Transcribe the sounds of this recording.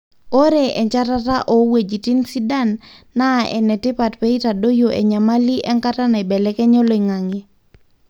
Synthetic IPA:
o˦ɾe˨ʔɛ˨ɲt͡ʃa˦ta˦ta˦ʔo˨we˨d͡ʒi˨ti˦nsi˦da˦nːa˦˨ʔɛ̰˨nɛ˨tɪ˦pa˨tpe˦i˦ta˨do˦jo˨ʔɛ̰˨ɲa˨ma˦li˦ʔɛ˦ŋka˦ta˦na˨ɛ˨bɛ˨lɛ˦kɛ˦ɲɔ˦lo˦i˨ŋa˨ŋe˦

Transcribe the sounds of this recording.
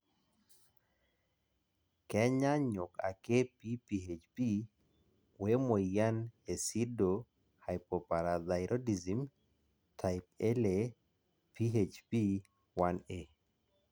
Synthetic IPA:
kɛ˦ɲa˦ɲʊ˨ka̰˨ke˦pi˦pi˨ɦe˨t͡ʃpi˦ | we˦mo˨ja˦ne˨si˦do˨ | ha˨jpo˨pa˨ɾa˨da˨ɪɾʔo˦di˨zi˨m | tʰa˨ɪpe˦le˨ | pʰi˦ɦet͡ʃpi˦ | wa˦ne˦

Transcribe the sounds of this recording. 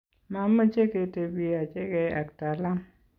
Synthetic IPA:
ma˦ma˦t͡ʃe˦ke˨˦te˨bi˦a˨t͡ʃe˦ke˨a̰˨k̚ta˨la˦m

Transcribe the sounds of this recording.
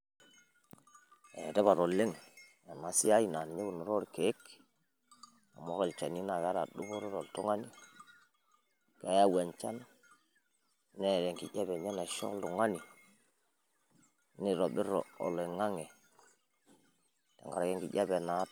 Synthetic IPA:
e˨de˦ba˨ɾo˨lːe˦ŋ | a˨na˨si˦ja˦i˦˨na˨ni˨ɲe˦ku˨no˨ɾo˦ɾke˨˦k | na̰˨mo˦ɣe˨lt͡ʃa˨ni˦na˨ka˦ɾa̰˨du˦bo˦ɾo˦ɾo˨ltu˦ŋa˦ni˦ | ka˦ja˦we˨nt͡ʃa˦n | ne˦˨ɾe˨ŋkḭ˨ja˦be˨ɲe˦na˨ʃo̰˦kldu˨ŋa˦ni˨ | ni˦ɾo˨bi˦ɾo̰˨o̰˨le˨ŋa˦ŋe˨ | tḛ˨ŋɡa̰˨ɾa˨ke˦ŋkḭ˨ɟa˦be˨na˨˦

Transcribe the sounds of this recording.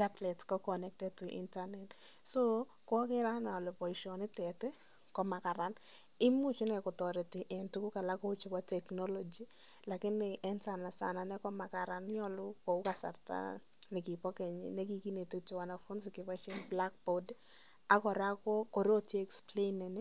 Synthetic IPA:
ta˦blɛ˨tkɔ˦kɔnɛ˦k̚tɛd̚tu˨ʔḭntanɛ˨tso˦ | kɔ˦kɪ˦ɾa˦nɔ˨lo˨pɔ˨iʃɔ˨nɪ˦tɛ˨tɛ˦ | kɔ˦ma˨ka˨ɾa˦n | ɪ˦mʊ˦t͡ʃi˦nɛ˨kɔ˨tɔ˨ɾi˨tɪ˨ʔɛ˨ntu˦kʊ˦ka˨la˦ko˦ʊ˦t͡ʃi˨wa˦tɛ˨knɔ˦lɔ˦d͡ʒi˦ | la˨kɪ˦nɪʔɛ˦nsa˨na˨sa̰˨na˨nɛ˦kɔ˦ma˨ka˨ɾa˦nɲɔ˦lʊ˦ko˨ʊ˦ka˨sa̰˨rta̰˦ | nɪ˨kɪ˨pɔ˦kɛ˨ɲḭne˦ɡi˨ki˦ne˨to˦to˨wa˨na˨fo˦nsɪkɪ˨wa˦t͡ʃɛ˦nbla˦k̚bod | a˦kɔ˨ɾa˦kɔ˦kɔ˨ɾe˦o˦tjeː˦˨ksple˦nɛ˨nɛ˦

